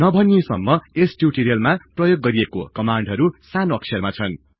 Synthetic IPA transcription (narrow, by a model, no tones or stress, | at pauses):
nʌbʱʌniesʌ̰mːʌesʈjuʈeɾijʌlmaprʌjoɡːʌɾieko̰kʌmaɳɖɦʌɾusanoʌksʰʌrmat͡sʰʌn